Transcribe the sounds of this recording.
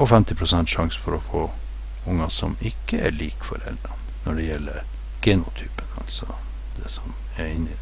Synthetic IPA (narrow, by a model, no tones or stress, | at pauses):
ɔfɛmt̪ɪpʰɾʊsɛnt̪ʂɑŋsə̥fɔɾɔfoː | ʊŋːɑsɔmɪkːəæɭiːkfɔ̰ɾɛ̰ld̪ɾɑ | nɔɖɛjɛlːəɾ | ɡ̥enʊt̪ʰyːpənɑ̰lsɔ | d̪̥ɛsɔm | ɛɾɪnːɪ